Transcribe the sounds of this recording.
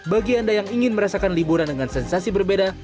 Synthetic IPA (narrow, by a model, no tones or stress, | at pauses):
baɡiandajaŋiŋɪnməɾasakanlibuɾandəŋansɛnsasibərbeda